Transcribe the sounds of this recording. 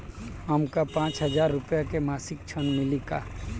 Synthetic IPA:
əmkapãːt͡ʃɦəzaːɾːʊpjakemaːsɪk̚t͡ʃʰənmɪlikaː

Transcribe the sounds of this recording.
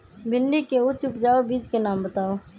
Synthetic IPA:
bʱɪnɖikeʊt͡ʃʊpd͡ʒaːobiːd͡ʒkenaːmbət̪aːoː

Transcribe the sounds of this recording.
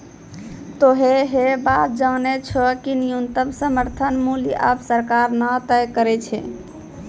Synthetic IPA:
t̪oɦeɦebat̪̚d͡ʒanet͡ʃʰɔkinijunt̪əmsəməɾt̪ʰənmuliʔa̰psəɾkaɾnət̪əjkəɾɛt͡ʃʰɛ̰

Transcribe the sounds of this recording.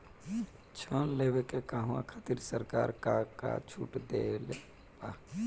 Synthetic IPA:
t͡ʃʰənlewekekaːɦwã̰kʰat̪iɾsəɾka̰ːɾkaka̰t͡ʃʰṵːʈd̪ele | pa

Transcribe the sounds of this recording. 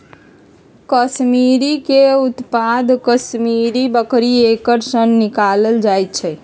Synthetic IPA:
kəsmiɾikeut̪pad̪ʱkəsmiɾibəkɾiekəɾsənːikaləld͡ʒajt̪̚t͡ʃʰɛ

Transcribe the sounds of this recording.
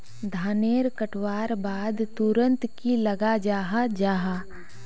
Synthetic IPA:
d̪ʱaːneːɾkəʈʰwaːɾbaːd̪t̪ʊɾə̃nt̪kilɐɡad͡ʒaːɦad͡ʒaːɦa

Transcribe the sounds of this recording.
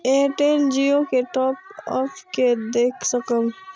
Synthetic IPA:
eːʈeːnd͡ʒiokeʈɔːp̚ɔ̰ːfked̪eːkʰsəkə̃m

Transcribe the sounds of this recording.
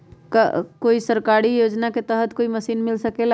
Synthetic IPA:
kəkoisəɾkaɾijod͡ʒnaket̪əɦət̪koiməsiːnmilsəkela

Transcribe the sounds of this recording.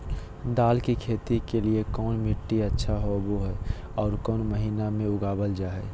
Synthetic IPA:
d̪aːlkikʰeːt̪ikeliekɔːnmɪʈːiətːʃʰaɦoboɦɛ | ɔːɾkɔːnməɦiːnamẽʊɡaːbəld͡ʒaːɦɛː

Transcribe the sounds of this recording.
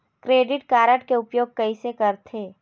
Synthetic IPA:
kɾeːɖɪʈkaːɾəʈkeʊpjoːɡ̚kɐisekɐɾt̪ʰeː

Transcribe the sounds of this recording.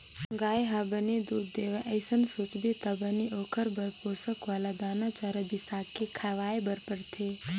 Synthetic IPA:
ɡaːjɦabəned̪uːd̪d̪eːʋeʔəɪsənsoːt͡ʃbʱit̪ɐbɐniʔoːkʰəɾbɐɾpoːsəkʋaːlad̪aːnat͡ʃaːɾəbɪsaːkːekʰaʋaːebɐɾpəɾt̪ʰeː

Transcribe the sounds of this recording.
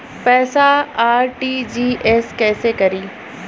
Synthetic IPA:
pɛːsaaːɾʈiːd͡ʒiːʔɛskɛːsekɐɾiː

